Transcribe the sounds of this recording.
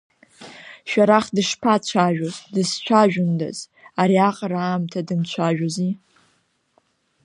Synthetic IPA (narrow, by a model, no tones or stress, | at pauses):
ʃᶣaɾaχdɨʂpʰat͡ɕʷʰaʒᶣozdɨst͡ʃʷʰaʒᶣʊnda̰z̥ | aɾiaqʼɾaːmtʰadɨmt͡ɕʷʰaʒᶣozi